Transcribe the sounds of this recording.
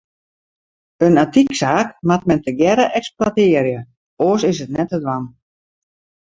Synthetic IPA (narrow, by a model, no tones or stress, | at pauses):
ənatiksaːkmat̚mɛntəɡjɛɾəʔɛksplwatɪərjə | oːsɪsətnɛtədwan